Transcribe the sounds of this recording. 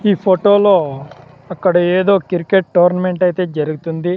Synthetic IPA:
iːpʰoʈo̞ːlo̞ː | ɐkːɐɽɐeːd̪o̞ːkiɾikeʈ̚ʈoːɾnɐme̞ɳʈɐjit̪e̞ːd͡ʒɐɾuɡut̪und̪i

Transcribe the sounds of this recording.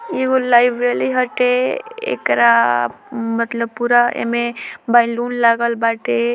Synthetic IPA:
eɡolajbɾeliɦəʈeḛkɾa | mət̪ləb̚puɾaḛmebaɪlunlaɡəlbaʈe

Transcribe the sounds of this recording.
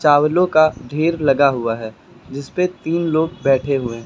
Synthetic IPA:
t͡ʃaːwlõkaɖʱeːɾlɐɡaɦʊaɦɛː | d͡ʒɪspet̪iːnloːɡ̚bɛːʈʰeɦʊẽ

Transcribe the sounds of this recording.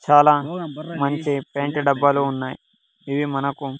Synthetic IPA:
t͡ʃaːlaːmɐɲt͡ʃipeːɳʈiɖɐbːɐluunːaːji | iʋimɐnɐku

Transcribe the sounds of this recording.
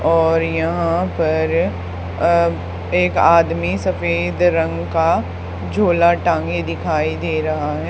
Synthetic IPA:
ɔːɾjɐɦãpɐɾ | eːkaːd̪misɐfeːd̪ɾɐ̃ŋɡka | d͡ʒʱoːlaʈãːŋɡed̪ɪkʰaːid̪eːɾɐɦaɦɛː

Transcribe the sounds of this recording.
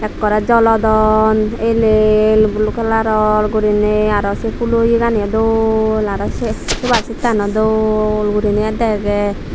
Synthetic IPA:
ɛkːɔɾɛd͡ʒɔlɔd̪ɔnelelbulukalaɾɔlɡuɾineaɾɔsepulojiɡaniɔd̪olaɾɔsesubaɾsit̪anɔd̪olɡuɾineɛd̪ɛɡɛ

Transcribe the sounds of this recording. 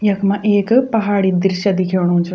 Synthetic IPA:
jɐkmɐ̃ʔeːkpɐɦaːɽid̪iɾʃɐd̪ikʰeːɳunt͡ʃʰ

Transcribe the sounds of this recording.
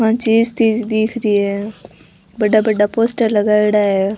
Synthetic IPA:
ãːt͡ʃiːzt̪iːd͡ʒd̪iːkʰɾie | bəɖaːbəɖapoːsʈəɾləɡaːɪɽaːɦeː

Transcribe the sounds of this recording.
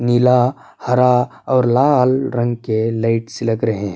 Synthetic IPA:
nila | hɐɾaɔːɾlaːlɾɐ̃ŋɡkelaɪʈsɪləkɾɐɦẽɦɛ̃

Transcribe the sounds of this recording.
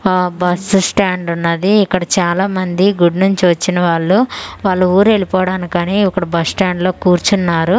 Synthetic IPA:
bɐssʈaːɳɖɐnːɐd̪iːkːɐɽɐt͡ʃaːlaːmɐnd̪iɡuɖnuɲt͡ʃiʋɐt͡ʃːinɐʋaːɭːuʋaːɭːuuːɾue̞ɭipɔːɽaːnikaːniːikːɐɽɐbɐssʈaːɳɖlo̞ːkuːɾt͡ʃunːaːɾu

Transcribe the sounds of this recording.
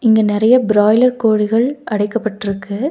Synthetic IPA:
ɪŋɡenɪɾɐjɐbɪɾaːjlɐɾkoːɻɪɣɐɭɐɽɐɪkːɐpːɐʈːɪɾɯkːɯ

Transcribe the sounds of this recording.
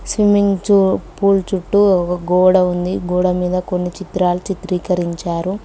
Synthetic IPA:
sʋimiŋɡt͡ʃupuːlt͡ʃuʈːukɐɡɔːɽɐund̪iɡɔːɽɐmiːd̪ɐkonːit͡ʃit̪ɾaːlut͡ʃit̪ɾiːkɐɾiɲt͡ʃaːɾu

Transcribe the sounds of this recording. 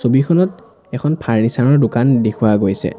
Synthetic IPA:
sobikʰɔnɔt | ɛkʰɔnpʰaɹnisaɹɔɹdʊkandekʰʊwaɡojsɛ̰

